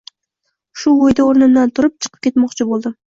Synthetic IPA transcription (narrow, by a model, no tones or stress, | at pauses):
ʃʊwojd̪aoɾnɨnd̪ant̪ʰʊɾɨp̚t͡ʃʰə̥qʰə̥p̚kʲet̪mɒqt͡ʃʰɪbolˠd̪ɪ